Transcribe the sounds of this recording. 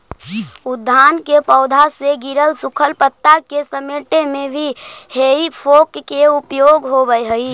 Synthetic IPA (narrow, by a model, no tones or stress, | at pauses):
ʊd̪ʱːaːnkepɔʊd̪ʱaseɡiɾəlsʊkʰəlpət̪ːakesəmeːʈemẽbʱiheipʰoːkːeupjoːɡɦobəjɦəi